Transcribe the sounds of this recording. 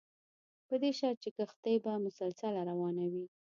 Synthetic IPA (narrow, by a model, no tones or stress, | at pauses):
pəd̪eʃɑɾ̚t͡ʃekəxt̪ajbamʊsalsalaɾawɑnawi